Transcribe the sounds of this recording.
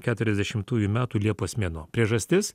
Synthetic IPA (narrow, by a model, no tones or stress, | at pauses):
kʲæːt̪ʊɾʲɛzd̪ʲɛʃʲɪmt̪uːjumʲæːt̪uːlʲiɛpoːsʲmʲiɛnoːpʲɾʲiɛʒɐsʲt̪ʲɪs